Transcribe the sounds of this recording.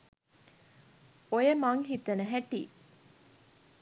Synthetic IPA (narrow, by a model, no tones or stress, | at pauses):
ojəmaŋɦit̪ənəɦæʈḭː